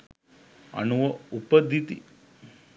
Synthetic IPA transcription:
ɐ̰nuʋɐupɐd̪ʱːit̪ḭ

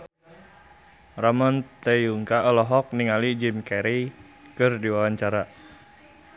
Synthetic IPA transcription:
ramɔnt̪ejuŋkaʔɔlɔɦɔk̚niŋalid͡ʒimkɛɾi | kərdiwawaɲt͡ʃaɾa

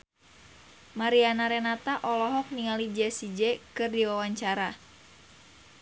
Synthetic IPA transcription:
maɾianaɾɛnat̪aʔɔlɔɦɔk̚niŋalid͡ʒɛsid͡ʒɛkɨrdiwawaɲt͡ʃaɾa

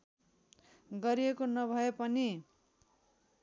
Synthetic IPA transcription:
ɡʌɾijekonʌbʱʌepʌni

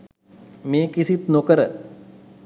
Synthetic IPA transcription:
meːkisit̪nokəɾə

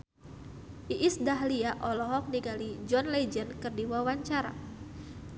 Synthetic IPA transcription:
ʔiʔisdaɦliaʔɔlɔɦɔk̚niɡalid͡ʒɔnled͡ʒənkɨrdiwawaɲt͡ʃaɾa̰

